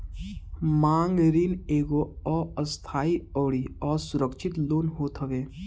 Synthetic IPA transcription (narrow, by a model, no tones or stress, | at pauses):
mãːŋɡɾiːneːɡoɔːəst̪ʰaːiɔːɽiɔːɾsʊɾəkʃɪt̪loːnɦoːt̪ɦəʋeː